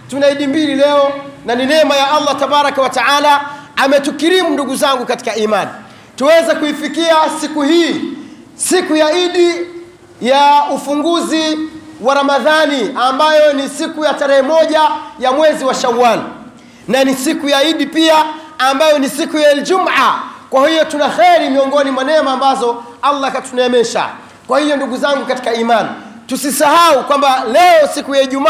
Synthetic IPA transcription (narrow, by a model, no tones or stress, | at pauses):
tunaiɗimbililɛɔnaninɛmajaɑlːatabaɾakawataalaamɛtukiɾimunduɡuzaŋɡukati̥kaiːmani | tuwɛzɛkuifikiasikuhiː | sikujaiɗi | jaufuŋɡuzi | waɾamaðaniambajɔnisikujataɾɛhɛmɔʄajamwɛziwaʃawan | nanisikujaiɗipiaːmbajɔnisikujaɛld͡ʒumakwahijɔtunaxɛɾimiɔŋɡɔnimwanɛmaːmbazɔ | alːakatunaɛmɛʃa̰ | kwahijɔnduɡuzaŋɡukati̥kaimantusisahaukwambalɛɔsikujaiʄuma